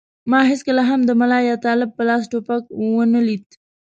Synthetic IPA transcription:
mɑɦɪskəlaɦamd̪əmalɑjɑt̪ɑlɪb̚pəlɑs̬ʈopak̚wənəlid̪̚

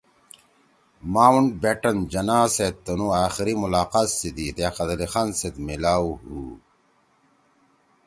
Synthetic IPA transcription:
maːuɳɖ̚beʈɐnd͡ʑɐnaːset̪̚ːɐnuaːxiɾimulaːqaːsːid̪it̪ejaqɐd̪ɐlixaːnset̪milaːɦu

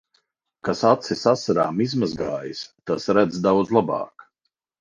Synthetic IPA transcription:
kasat̪sisasaɾaːmizmazɡaːjist̪asɾæd̪zd̪awd̪zlˠabɑ̰ːk

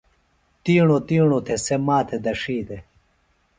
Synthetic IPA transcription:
t̪iːɳot̪iːɳ̃ot̪ʰesemaːt̪ʰed̪ɐʂiːt̪e

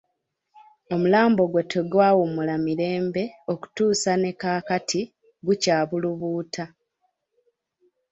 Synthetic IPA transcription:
o̞mulaːmbo̞ɡwe̞tʰoɡwaːwumulamiɾe̞ːmbe̞o̞ku̥tuːsane̞kaːkatʰi | ɡucaːβuluβuːtʰa

